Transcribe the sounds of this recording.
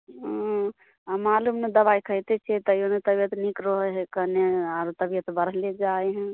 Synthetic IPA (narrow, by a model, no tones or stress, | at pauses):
ɦ | amalumned̪əβajkʰəjt̪ɛt͡ʃʰɛt̪əjonet̪əbijət̪nikɾoɦɦekəneaɾt̪əbijət̪bəɾled͡ʒaɦɛ̃